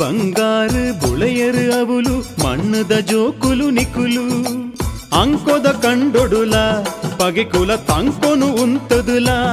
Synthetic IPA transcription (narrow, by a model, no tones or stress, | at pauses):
bɐŋɡaːɾɯbʊɭɐjɐɾɯɐʋɯlumɐ̰ɳːɯd̪ɐd͡ʒoːkɯlunɪkːɯlu | ɐŋkod̪ɐkɐɳɖɔɽɯlaːpɐɣɐkɯlɐt̪ɐŋkonɯʊnt̪ɐðɯlaː